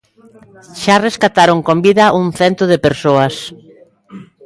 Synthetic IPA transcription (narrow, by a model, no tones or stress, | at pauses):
ʃareskat̪aɾoŋkombiðɐʔuŋθɛnt̪oð̞epeɾsoɐs